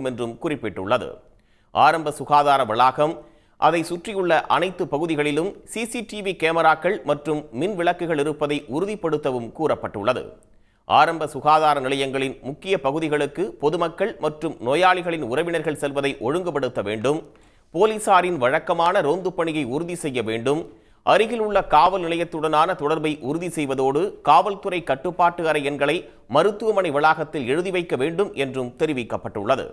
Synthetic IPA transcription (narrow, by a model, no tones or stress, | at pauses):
mɛndrɯmkʊrɪpːɪʈːʊ̰ɭːɐðɯ̰ | ʔa̰ːɾɐmbɐsʊɣaːðaːɾɐʋɪɭaːɣɐm | ʔɐ̰ðɐɪsʊʈrɪjɯɭːɐʔɐnɐɪt̪ːɯpːɐɣɯðɪɣɐɭɪlɯmsiːsiʈiʋikeːmɐɾaːkɐɭmɐʈrɯmːɪnʋɪɭɐkːɯɣɐɭɪɾɯpːɐðɐɪʔʊɾɯðɪpːɐɽɯt̪ːɐʋɯmkuːrɐpːɐʈːɯ̰ɭːɐðɯ̰ | ʔa̰ːɾɐmbɐsʊɣaːðaːɾɐnɪlɐjɐŋɡɐɭɪnmʊkːɪjɐpɐɣɯðɪɣɐɭɯkːɯpɔðɯmɐkːɐɭmɐʈrɯmnoːjaːɭɪɣɐɭɪnʊɾɐʋɪnɐɾɣɐɭsɛlʋɐðɐɪʔɔɻɯŋɡɯpːɐɽɯt̪ːɐʋḛːɳɖɯm | poːliːsaːɾɪnʋɐɻɐkːɐmaːnɐɾoːnd̪ɯpːɐɳɪɣɐɪʊɾʊðisɛjːɐʋeːɳɖɯm | ʔɐɾɯɣɪlɯɭːɐkaːʋɐlnɪlɐjɐt̪ːɯɽɐnaːnɐt̪ɔɽɐɾbɐɪʔʊɾʊðisɛjʋɐðoːɽɯkaːʋɐlt̪ɯɾɐɪkːɐʈːɯpːaːʈːɯɐɾɐjɛnɡɐɭɐɪ | mɐɾɯt̪ːɯʋɐmɐɳɪʋɐlaːɣɐt̪ːɪlɛɻɯðɪʋɐɪkːɐʋeːɳɖɯmʔɛndrɯmt̪ɛɾɪʋɪkːɐpːɐʈːɯ̰ɭːɐðɯ̰